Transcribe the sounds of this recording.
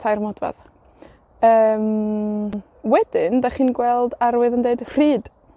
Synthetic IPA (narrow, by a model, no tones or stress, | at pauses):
sʰajrmɔdva̰ð | əːm | wɛd̥ɪndaχiːnɡwɛlˠdaɾwɨðəndeɨdr̥iːd̥